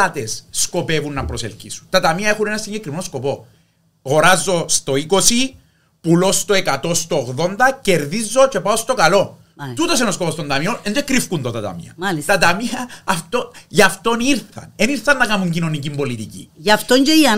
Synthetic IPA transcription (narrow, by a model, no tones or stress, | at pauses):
at̪essko̞pevunːɐpɾoselcisu̥nt̪ɐt̪ɐmiɐexune̞nɐsiɲɟekɾimnosko̞po̞ | ɣo̞ɾazːo̞st̪o̞iko̞si | pulo̞st̪oekɐt̪o̞st̪oːɣðo̞nd̪ɐce̞ɾðizːo̞t͡ʃe̞paost̪o̞kɐlo̞ | t̪ut̪o̞senoskoost̪ond̪ɐmionend̪ekɾifkunt̪ot̪ɐt̪ɐ̰mḭɐ̰lit̪ɐt̪ɐmiɐːft̪oʝɐft̪o̞niɾθɐ̰neniɾθɐnːɐkɐmuɲcino̞nicimbo̞lit̪icḭɐft̪oɲd͡ʒeiɐ